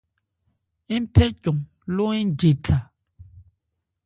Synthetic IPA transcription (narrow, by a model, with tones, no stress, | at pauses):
i˦m˦pʰɛ˦cɔ˨ŋ | lo˦i˦d͡ʒe˨tʰa˨